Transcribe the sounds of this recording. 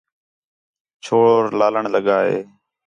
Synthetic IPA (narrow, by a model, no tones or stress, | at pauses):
t͡ʃʰoːɾlaːləɳləɠaːɦḛː